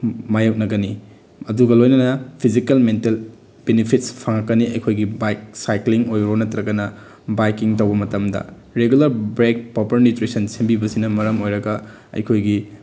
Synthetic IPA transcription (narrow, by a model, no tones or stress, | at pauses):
majok̚nɐɡɐni | ɐduɡɐlojnɐnɐpʰizikɐlmentel | b̥enipʰit̚spʰɐŋɐkːɐniɐjkʰojɡibajk̚sajkliŋojɾonɐtɾɐɡɐnɐ | bajkiŋtɐwbɐmɐtɐmdɐ̰ | ɾeɡulɐɾbɾek̚popɐɾnitɾisɐnsimbibɐsinɐmɐɾɐmojɾɐɡɐ | ɐ̰jkʰojɡi